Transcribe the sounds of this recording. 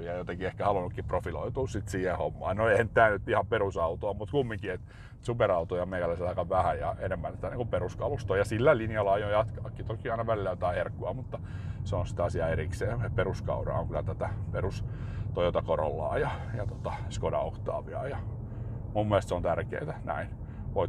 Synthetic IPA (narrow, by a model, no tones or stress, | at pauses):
jɑjot̪ekiehkæhɑlunːukːiprofilo̰it̪uːssit̪siːhehomːɑ̰ːnnoeihænt̪æːnyt̪ːihɑmperusɑut̪oɑmut̪kumːiŋkiet̪ | supeɾɑut̪ojɑmeikælːæselɑikɑʋʋæhæjjɑenemːænt̪i̥t̪æniŋkumperuskɑlust̪oːjɑsilːælinjɑlːɑɑjojɑt̪kɑːkːit̪okiɑinɑʋælilːæjot̪ɑiherkːuɑmut̪ːɑseonsi̥t̪ɑsiɑeriksḛːeperuskɑ̰uɾɑ̰ːo̰ŋkylæt̪æt̪æperust̪ojot̪ɑkoɾo̰lːɑ̰ːjɑjɑt̪ot̪ɑskodɑ̰oht̪ɑ̰ːʋiɑjɑ | mumːuelst̪seont̪ærkḛːt̪ænæ̰in | ʋoi